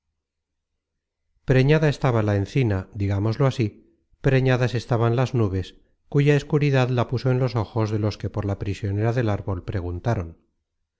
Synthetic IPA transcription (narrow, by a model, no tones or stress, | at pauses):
pɾe̞ɲaðae̞st̪aβalaenθinad̪iɣamo̞zlo̞asi | pɾe̞ɲaðase̞st̪aβanlaznuβ̞e̞s | kuʝaeskuɾiðaðlapuso̞e̞nlo̞so̞xo̞zðe̞lo̞ske̞po̞ɾlapɾisjo̞ne̞ɾaðe̞laɾβo̞lpɾe̞ɣ̞unt̪aɾo̞n